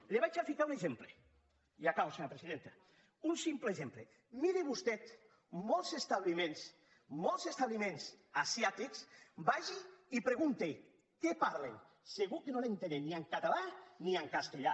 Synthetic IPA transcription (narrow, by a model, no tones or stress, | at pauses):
leβat͡ʃafikauneʒemple | iakawseɲoɾapɾesiðent̪a | unsimplezemple | miɾeβust̪ɛt̪ | mɔlˠsest̪aβlimẽns | mɔlˠsest̪aβlimẽns | asjat̪iksbaʒiːpɾeɣunt̪e | kepaɾlḛŋ | seɣukenonent̪eneniaŋkat̪alaniaŋkast̪eʎa